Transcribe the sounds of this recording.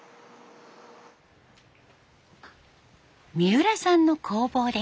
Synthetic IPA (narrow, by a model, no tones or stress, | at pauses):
mʲiɯ̟ɾasãnːo̞kʰo̞ːbo̞ːd̪e